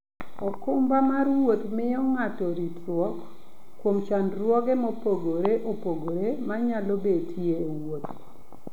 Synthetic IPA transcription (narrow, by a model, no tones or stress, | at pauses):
ɔkʊmbamarwot̪mɪɔŋatɔɾitwɔk | kːwomt͡ʃanrwɔɡɛmopoɡoɾeʔopoɡoɾemaɲalɔbetʰjeːwot̪